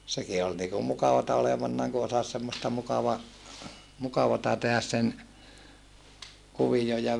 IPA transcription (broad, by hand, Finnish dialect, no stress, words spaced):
seki ol niːkum mukɑʋɑtɑ oleʋɑnːɑːŋ ku osɑs semːostɑ mukɑʋɑ mukɑʋɑtɑ tehæs sen kuʋijoj jɑ